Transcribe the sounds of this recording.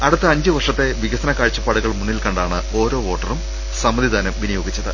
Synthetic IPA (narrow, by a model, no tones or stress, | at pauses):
ɐɽɨt̪ːɐɐɲd͡ʑɨʋɐrʂɐt̪ːe̞ʋiɣɐsɐnɐkːaːɻt͡ɕːɐpːaːɽuɣɐɭmunːilkɐɳɖaːɳɨ | o̞ːɾo̞ːo̞ːʈːɐrum | sɐmːɐd̪ʱid̪aːnɐmʋinujo̞ːɡit͡ɕːɐðɨ̰